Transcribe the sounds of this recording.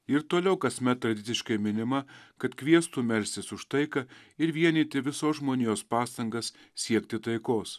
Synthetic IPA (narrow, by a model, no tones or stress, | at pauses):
ɪɾt̪oːlʲɛʊkɐsʲmʲɛt̪ːɾɐd̪ʲɪtsʲɪʃkɐɪmʲɪnʲɪmɐkɐt̪kʋʲiɛst̪uːmʲɛɾʲsʲt̪ʲɪsʊʃt̪ɐɪkɐɪɾʋʲiɛnʲiːt̪ʲɪʋʲɪsoːsʒmoːnʲɪjoːspɑːst̪ɐŋɡɐssʲiɛk̚t̪ʲɪt̪ɐɪkoːs